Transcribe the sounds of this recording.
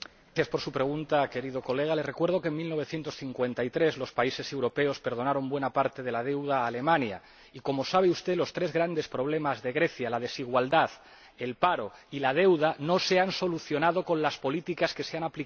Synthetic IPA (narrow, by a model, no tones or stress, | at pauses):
jaspo̞ɾsupɾe̞ɣ̞unt̪ake̞ɾið̞o̞ko̞le̞ɣ̞alere̞kwe̞ɾðo̞kenmilno̞β̞e̞θje̞nt̪o̞sθiŋkwe̞nt̪ait̪ɾezlo̞spaise̞se̞wɾo̞pe̞o̞spe̞ɾð̞o̞naɾo̞mbwe̞napaɾt̪e̞ð̞e̞lað̞e̞wð̞aːle̞mãnja̰ | iko̞mo̞saβ̞eust̪e̞lo̞st̪ɾe̞zɣɾand̪e̞spɾo̞β̞le̞mazðe̞ɣɾe̞θjalað̞e̞siɣwald̪að | e̞lpaɾo̞ilað̞e̞wðano̞se̞anso̞luθjo̞nað̞o̞kõ̞nlaspo̞lit̪ikaske̞seanapli